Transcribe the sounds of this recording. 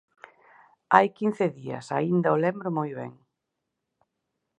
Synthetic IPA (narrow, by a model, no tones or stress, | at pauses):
ajkin̟θɪðiɐ̰sa̰ind̪ɐolɛmbɾʊmojβɛ̰ŋ